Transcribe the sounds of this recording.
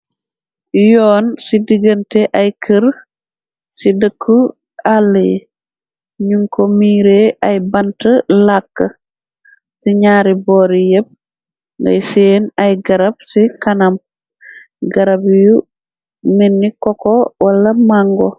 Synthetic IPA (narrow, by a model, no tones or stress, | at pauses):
jɔːnsidiɡənteʔajkʰəɾ | sidəkʰːu | alːḛ | ɲuŋkʰomiːɾeʔɐjbɐntəlakːɐ | siɲaːɾiboːɾijəp̚ | ŋɡɐ̰jseːnɐjɡɐɾɐb̚sikɐnɐm | ɡɐɾɐbju | minːikɔkowɐlɐmaŋɡo̰